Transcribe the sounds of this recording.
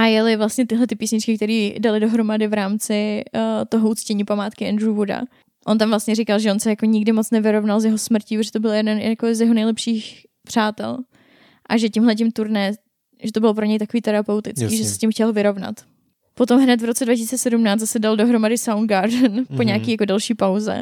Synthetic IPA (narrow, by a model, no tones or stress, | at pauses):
ʔajɛlɪvlast̪ɲɛt̪ɪɦlɛt̪ɪpiːsɲɪt͡ʃkɪkt̪ɛɾiːdalɪdo̞ɦɾo̞madɪvɾaːmt͡sɪt̪oɦout͡scɛɲiːpamaːt̪kɪʔɛnd̪ɾuvoda̰ | ʔo̞nt̪amvlast̪ɲɛɾikalʒɛonsɛjakoɲɪɡdɪmo̞t͡snɛvɪɾo̞vnalzjɛɦosmɾ̩ciːpt̪ːʒɛt̪obɪljɛdɛnjjakoɪzjɛɦo̞nɛjlɛpʃiːx | pr̝̥aːt̪ɛ̰l | ʔaʒɛcɪmɦlɛc̬ɪmt̪uɾnɛː | ʒɛt̪o̞bɪlo̞p̬ɾoɲɛjt̪akoviːt̪ɛɾapɛwt̪ɪt͡skiːʒɛsɛ̥scʲɪmxcɛlvɪɾo̞vna̰t̪ | po̞t̪o̞mɦnɛt̪vɾo̞t͡sɛdvacisiːt͡sɛsɛdumnaːt̪zasɛdaldo̞ɦɾo̞madɪsawnɡaɾdnpo̞ɲaakiːjakodɛlʃiːpawzɛ̰